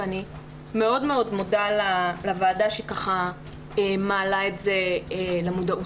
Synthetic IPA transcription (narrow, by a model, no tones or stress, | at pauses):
ani | me̞o̞dme̞o̞dmodalalavaːdaʃekaχa | emaːlaetze̞lemudaʔu